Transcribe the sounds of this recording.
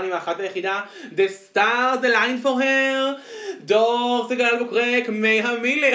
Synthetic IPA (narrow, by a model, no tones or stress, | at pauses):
nimaχatlajeχida | d̪estaʁzelajnfoʁheʁd̪oʁzeɡadalbokʁekmejɦamile